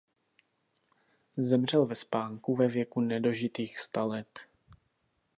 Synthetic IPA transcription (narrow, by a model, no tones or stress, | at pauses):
zɛmr̝ɛlvɛspaːŋkuvɛvjɛkunɛdo̞ʒɪt̪iːxst̪alɛt̪